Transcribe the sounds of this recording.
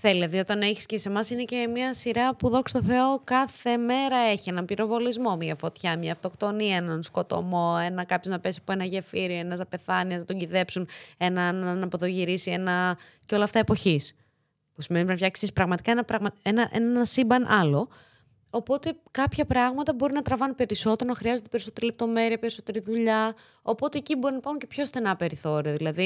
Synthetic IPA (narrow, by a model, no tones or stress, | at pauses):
θelɐðio̞t̪ɐneçi̥scese̞mɐsinece̞miɐsiɾɐpuðo̞kst̪oθe̞o̞kɐθe̞me̞ɾɐe̞çie̞nɐmpiɾo̞vo̞lizmo̞miɐfo̞t̪çɐmɲɐːft̪o̞kt̪o̞niɐenɐnsko̞t̪o̞̰mo̞enɐkɐpçoznɐpe̞siɐpoe̞nɐʝefiɾioenɐzɐpe̞θɐniɐznɐt̪o̞ɲɟiðe̞psune̞nɐnnɐpo̞ðoʝiɾisie̞nɐ | ceo̞lɐːft̪ɐepo̞çis | pusimenipɾnɐfçɐksispɾɐɣmɐt̪i̥kɐenɐpɾɐɣmɐenɐʔennɐsibɐnʔɐlo̞ | opo̞t̪e̞kɐpçɐpɾɐɣmɐt̪ɐbo̞ɾinɐt̪ɾɐvɐnunpe̞ɾiso̞t̪e̞ɾonɐxɾiɐzod̪epe̞ɾiso̞t̪e̞ɾilep̚t̪o̞me̞ɾiɐpeɾisot̪e̞ɾiðuʎɐ | opo̞t̪eːcibo̞ɾinɐpɐxuncepço̞st̪e̞nɐpe̞ɾiθo̞ɾiɐðilɐði